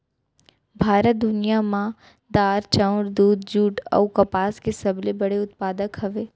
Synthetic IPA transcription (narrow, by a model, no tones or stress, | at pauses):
bʱaːɾət̪̚d̪ʊnijamã | d̪aːɾt͡ʃãʊɾd̪uːd̪̚d͡ʒuːʈɔ̰ukɐpaːskesɐblebɐɽeʊt̪paːd̪əkɦɐʋeː